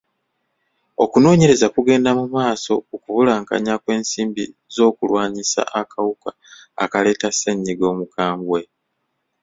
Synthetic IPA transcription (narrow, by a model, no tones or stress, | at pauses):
okuno̞ːɲe̞ɾe̞zakuɡe̞ːndamumaːso̞okuβulaːŋka̰ɲakwe̞ːnsiːmbizo̞ːkulwaːɲisa̰ʔakʰawuka̰ː | kale̞ːtaseɲːiɡo̞ːmukaːmbwe̞